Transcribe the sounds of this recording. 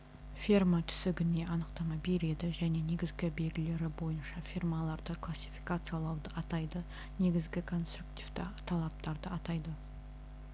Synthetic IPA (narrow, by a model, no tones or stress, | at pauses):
fʲirmat̪ʰʏ̥sɪɡʲɪne̞ʔɑnəqt̪ɑmɑbe̞ɾe̞d̪ɪʒæne̞ne̞ɡʲɪzɡʲɪbe̞lɡʲɪle̞ɾɪbo̞jənʃɑfʲirmalˠɑɾd̪əkʰlˠasʲːi̥fijkat̪sɨjalˠɑwd̪əɑt̪ɑjd̪ə | ne̞ɡʲɪzɡʲɪkʰo̞nst̪ɾuk̚t̪iv̥t̪t̪ʰɑlˠɑp̚t̪ɑɾd̪əɑt̪ɑjd̪ə